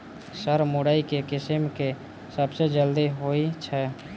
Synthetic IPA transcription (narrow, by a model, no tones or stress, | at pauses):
səɾmoɽaːikekɪsəmke | səbsed͡ʒəld̪iɦoit͡ʃʰɛ